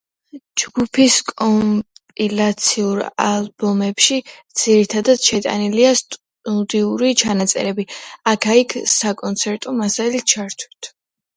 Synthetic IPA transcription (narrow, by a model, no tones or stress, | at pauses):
d͡ʒɡupʰiskʼɔmpʼilat̪sʰiuɾa̰lˠbɔmɛpʃid̪z̥iɾit̪ʰad̪ad̪̥ʃɛt̪ʼa̰niliast̪ʼ | ud̪iuɾit͡ʃʰanat̪sʼɛ̰ɾɛbiakʰaikʰsakʼɔnt̪sʰɛɾt̪ʼɔmasalit̪̚t͡ʃʰaɾt̪ʰwi̥t̪ʰ